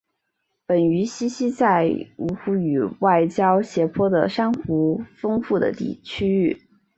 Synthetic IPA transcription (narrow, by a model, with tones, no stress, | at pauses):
pə˨˩ny˧˥ɕi˥ɕi˥t͡sa˥˩ɪu˧˥xu˧˥y˨˩wa˥˩ɪt͡ɕjɑ˥ʊɕjɛ˧˥pʰwɔ˥d̪ə̰˨ʂa˥nxu˧˥fɤ˥ŋfu˥˩d̪ə̰˩t̪ḭ˥˩t͡ɕʰy˥y˥˩